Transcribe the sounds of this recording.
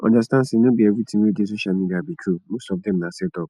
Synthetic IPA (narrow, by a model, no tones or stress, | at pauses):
ɔ̰̃ndastãnsenõbiɛɡutĩmed͡ʒes̬uʃãmĩɡabit͡ʃʰunũsɔb̚dɛ̃mnãsɛtɔp